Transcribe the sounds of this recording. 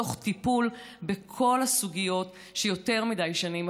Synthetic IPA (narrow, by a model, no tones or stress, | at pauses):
oχtipulbekʰo̞lasuɡijo̞t | ʃejo̞te̞ʁmidajʃanim